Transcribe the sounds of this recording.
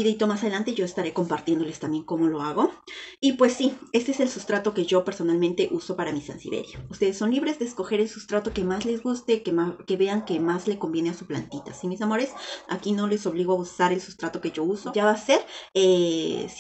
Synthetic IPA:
iðit̪o̞mas̬að̞e̞lant̪e̞ʝo̞est̪aɾe̞ko̞mpaɾt̪je̞nd̪o̞le̞st̪ambje̞ŋko̞mo̞lo̞aɣo̞ipwe̞sːie̞st̪e̞eselsust̪ɾat̪o̞ke̞ʝo̞pe̞ɾso̞nalmẽnt̪e̞ʔuso̞paɾamisa̰nsḭβḛɾjoust̪e̞ðesːo̞nliβɾe̞zðe̞ːsko̞xe̞ɾe̞lsust̪ɾat̪o̞ke̞mazle̞zɣust̪e̞keake̞βe̞aŋke̞mazle̞ko̞mbje̞ne̞asupla̰nt̪it̪a̰simis̬amo̞ɾe̞sa̰kino̞le̞so̞βliɣ̞o̞ausaɾe̞lsu̥st̪ɾat̪o̞ke̞ʝo̞usoʝaβase̞ɾes

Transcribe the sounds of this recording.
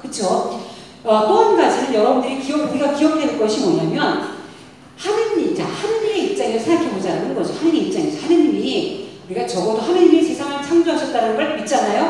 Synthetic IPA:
kɯt͡ɕʰo | ʌt͈oɦanɡad͡ʑinɯnjʌɾʌbundɯɾikijʌkuɡiɡakijʌk̚t͈we̞nɯnɡʌɕʰimʌɲamjʌn | hanɯɲit͡ɕahanɯɲimeip̚t͡ɕ͈aŋesʰaakʰebod͡ʑiananɯnɡʌd͡ʑohanɯiip̚t͡ɕ͈aŋed͡ʑʌhanɯɲimiuɾiɡat͡ɕʌɡʌdohanɯɲimesʰesʰaŋɯɭt͡ɕʰaŋd͡ʑoɦaɕʰʌt̚t͈anɯnbaɭkmit̚t͡ɕ͈anajo

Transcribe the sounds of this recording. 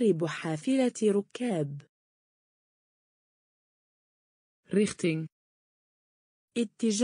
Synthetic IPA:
ɾɪbħaːfɪlaɾʊkːaːb | ɾɪxt̪ɪŋ | ʔɪt̪ːɪd͡ʒ

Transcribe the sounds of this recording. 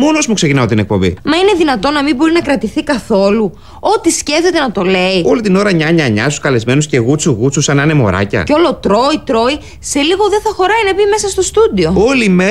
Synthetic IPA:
mo̞nozmukse̞cinɐot̪ine̞k̚po̞mbḭmɐine̞ðinɐt̪o̞nɐmibo̞ɾinɐkɾɐt̪iθikɐθo̞lu | o̞t̪isce̞fθe̞t̪e̞nɐt̪o̞le̞io̞lit̪ino̞ɾɐɲɐɲɐɲɐsu̥skɐle̞zme̞nusce̞ɣut͡suɣut͡susɐnɐne̞mo̞̰ɾɐ̰cɐ̰co̞lo̞t̪ɾo̞it̪ɾo̞i | se̞liɣo̞ðeθɐxo̞ɾɐinɐbime̞sɐst̪o̞st̪ud̪io̞olime

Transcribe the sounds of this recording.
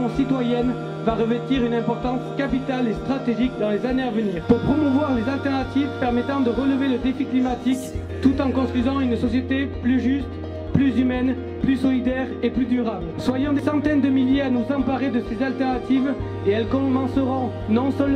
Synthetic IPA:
sit̪wajɛn | vaʁəvɛt̪iʁynɛ̃pɔʁt̪ɑ̃skapit̪alest̪χat̪eʒikd̪ɑ̃lezaneavəniːʁpuʁpχɔmuvwaʁlezalt̪ɛʁnat̪ivpɛʁmɛt̪ɑ̃d̪əʁələveləd̪efiklimat̪ik | t̪ut̪ɑ̃kɔ̃st̪χizɑ̃ynsɔsjet̪eplyʒyst̪ | plyzymɛn | plysɔlid̪ɛʁeplyd̪yʁablswajɔ̃d̪esɑ̃t̪ɛnd̪əmiljeanuzɑ̃paʁed̪əsezalt̪ɛʁnat̪iv | eɛlkɔ̃mɑ̃səʁɔ̃ | nɔ̃səl

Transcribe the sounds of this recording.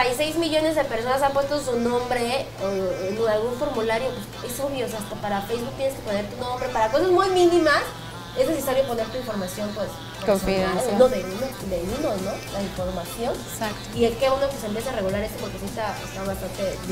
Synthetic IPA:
aise̞jzmiʝo̞ne̞zðe̞pe̞ɾso̞nas̬ampwe̞st̪o̞s̬unõ̞mbɾe̞ | onalɣuɱfo̞ɾmulaɾjo̞pwesesoβjos̬east̪apaɾafejzβuk̚t̪jenkeponeɾt̪unõ̞mbɾe̞paɾako̞sazmujmĩnĩmas | e̞znes̬e̞saɾjo̞po̞ne̞ɾt̪uiɱfo̞ɾmasjo̞mpwe̞s | koianoðeβinod̪eβinono̞laiɱfo̞ɾmasjo̞n | sak | iekeβonokes̬empjeseare̞ɣulaɾest̪op̬oɾkesjent̪aḛst̪aβast̪ant̪e̞

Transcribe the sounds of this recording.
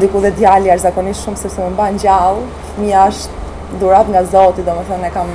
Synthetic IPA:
d̪ikuðɛd̪jaliaʃzakɔniʃʃumsɛbsɛməmbaɲd͡ʑalˠ | miaʃt̪ | d̪uɾat̪ŋɡazɔt̪id̪ɔmɛθənɛkam

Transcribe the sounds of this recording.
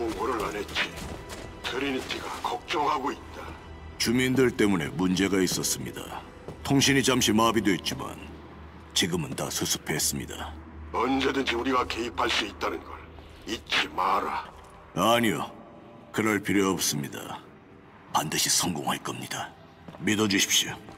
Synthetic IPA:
moŋɡoɾɯɾanet̚t͡ɕ͈i | tɯɾinit͈ʰiɡakʌk̚t͡ɕ͈ʌŋɦaɡoit̚t͈a | t͡ɕumindɯɭt͈e̞mune̞̰mund͡ʑe̞ɡais͈ʌs͈ɯmɲida̰ | tʰoŋɕʰiɲit͡ɕamɕʰimabidoet̚t͡ɕ͈ima̰n | t͡ɕiɡɯmɯnta̰sʰusʰɯ̥pʰe̞s͈ɯmɲida̰ʌnd͡ʑe̞dɯnd͡ʑiuɾiɡake̞ipʰaɭs͈uit̚t͈anɯnɡʌɭ | it̚t͡ɕʰimaɾa | aɲio̰ | kɯɾʌɭpiɾjoːp̚s͈ɯmɲida̰ | pandɯɕʰisʰʌŋɡoŋɦaɭk͈ʌmɲid̥a | midʌd͡ʑuɕʰi̥p̚ɕ͈io

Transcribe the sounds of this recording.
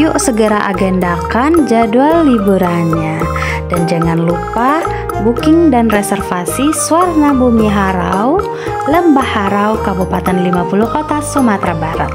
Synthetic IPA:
juʔsəɡəɾaʔaɡɛndakand͡ʒadualːibuɾanɲa | dand͡ʒaŋanlupa | bukɪŋdanrɛsɛrfasisuarnabumiɦaɾa̰w | ləmbahaɾaukabupat̪ɛnlimapuluhkɔt̪asumat̪ɾabaɾa̰t̪̚

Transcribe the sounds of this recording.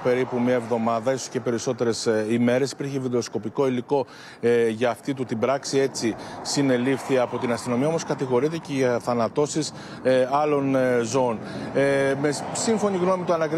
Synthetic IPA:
pe̞ɾipumiɐevðo̞mɐðɐisosce̞pe̞ɾiso̞t̪e̞ɾe̞sime̞ɾe̞si̥piɾçiviðeosko̞piko̞iliko̞ | ʝɐːft̪it̪ut̪ibɾɐksie̞t͡sisine̞lifθiɐpo̞t̪inɐst̪ino̞miɐo̞mo̞skɐt̪iɣo̞ɾit̪eceʝɐθɐnɐt̪o̞sis | ɐlo̞nzoon | mesiɱfo̞ɲiɣno̞mit̪oɐnɐkɾ

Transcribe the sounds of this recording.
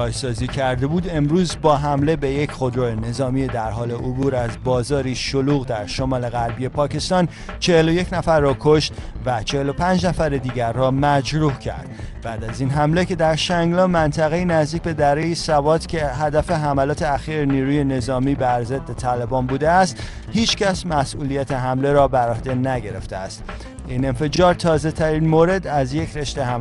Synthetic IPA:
kɒːjsɒːziːcʰæɾd̪e̞buːd̪e̞mɾuːzbɒːɦæmle̞be̞je̞cχod̪ɾoene̞zɒːmied̪æɾɦɒːle̞ʔobuːɾæzbɒːzɒːɾiːʃoluːɣd̪æɾʃo̞mɒːle̞ɣæɾbije̞pʰɒːce̞st̪ɒːn | t͡ʃʰe̞heloje̞cʰnæfæɾːɒːkʰo̞ʃt̪væt͡ʃʰehelo̞pʰænd͡ʒnæfæɾed̪iːɟæɾːɒːmæd͡ʒɾuhcʰæ̰ɾd̪̥̚bæːd̪æziːnɦæmle̞ce̞d̪æɾʃæŋɡlɒːmænt̪ʰæɣe̞iːnæzd̪iːcʲbe̞d̪æɾejisævɒːt̪cʲʰe̞ɦæd̪æfe̞ɦæmælɒːt̪ʰe̞æxiːɾeniːɾuːje̞ne̞zɒːmiːbæɾzed̪ːe̞t̪ʰæːlebɒːnbuːd̪eæst̪ | hiːt͡ʃcæsmæsʔuːlijæt̪ʰeɦæmle̞ɾɒːbæɾɒːhd̪e̞næɟe̞ɾe̞̰ft̪eæst̪ | ine̞nfe̞d͡ʒɒːɾt̪ʰɒːze̞t̪ʰæɾinmoːɾe̞d̪æzje̞cʰɾe̞ʃt̪e̞hæ

